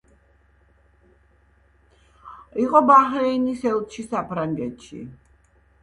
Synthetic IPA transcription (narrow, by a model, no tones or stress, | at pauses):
iqʼɔbahɾɛinisɛlt̪ʃisapʰɾaŋɡɛt̪ʃḭ